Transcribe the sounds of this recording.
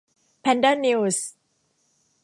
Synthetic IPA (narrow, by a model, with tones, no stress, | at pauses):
pʰɛ˧ndə˥ni˧ws